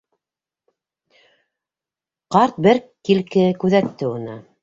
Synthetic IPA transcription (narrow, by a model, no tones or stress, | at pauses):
qɑɾt̪̚bɘɾkilkɘkʉðæt̪ːɘunɤ